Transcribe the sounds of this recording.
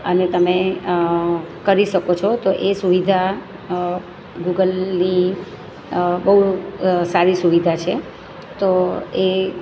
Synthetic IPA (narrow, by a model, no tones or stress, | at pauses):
ənet̪əme | kəɾiʃəkot͡ʃʰot̪oʔesuʋid̪ʱa | ɡuɡəlni | bəɦusaɾisuʋid̪ʱat͡ʃʰe | t̪oe